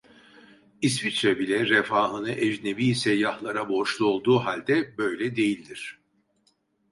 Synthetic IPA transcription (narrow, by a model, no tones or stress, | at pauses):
is̬vit͡ʃɾɛbilʲɛɾefaːɦɯnɯʔɛd͡ʒnebiːsɛjːahlˠaɾabo̞ʃlˠuo̞lˠd̪uːɦalʲd̪ɛbø̞jlʲɛd̪e̞jilʲd̪iɾ̥